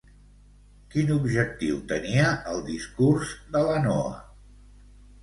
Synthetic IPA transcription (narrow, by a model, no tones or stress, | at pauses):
kinubʒək̚t̪iwt̪əniəʔəlˠd̪iskurzd̪ələnɔə̰